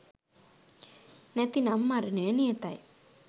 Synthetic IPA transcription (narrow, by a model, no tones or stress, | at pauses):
nɛt̪inamːaɾɯnenijet̪aj